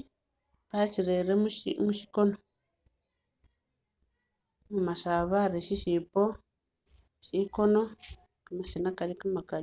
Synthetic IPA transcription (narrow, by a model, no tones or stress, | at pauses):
βat͡ʃiɾeɾemuʃmuʃi̥kono | mumaʃaβaɾeʃiʃipo | ʃikono | kamaʃinakaɾikamakaɾi